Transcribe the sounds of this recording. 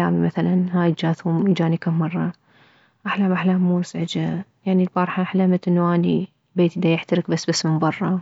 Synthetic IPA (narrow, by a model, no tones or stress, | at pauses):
a̰ːmimaθalanhaːjd͡ʒaːθhuːmd͡ʒaːnikamːɑrˤːɑ | ʔaħlaːmʔaħlaːmːuːsaʕɪd͡ʒajaʕnilbɑɾˤħaħlamat̪ʔɪnːuʔaːni | beːt̪ʔd̪ajɪħt̪aɾɪkbasːbasːmɪnbɑrˤːɑ